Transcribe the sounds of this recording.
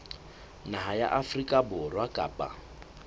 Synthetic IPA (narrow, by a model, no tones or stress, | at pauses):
naɦaja̰ʔafrikʼabʊrwakʼa̰ːpʼa̰